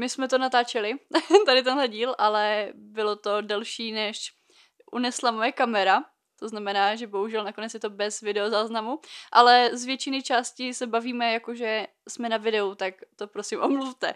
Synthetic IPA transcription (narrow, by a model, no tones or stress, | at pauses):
mɪsmɛt̪o̞nat̪aːt͡ʃɛlɪt̪adɪt̪ɛnɦlɛɟiːlʔalɛbɪlo̞t̪o̞dɛlʃiːnɛʃ | ʔṵnɛslamo̞jɛkamɛɾa | t̪o̞znamɛnaːʒɛbo̞ɦuʒɛlnakonɛt͡sjɛt̪o̞bɛzvɪdɛo̞zaːznamuʔalɛzvjɛt͡ʃɪnɪt͡ʃaːscɪsɛbaviːmɛjakoʒɛ | smɛnavɪdɛut̪akt̪o̞pɾosɪmʔomluft̪ɛ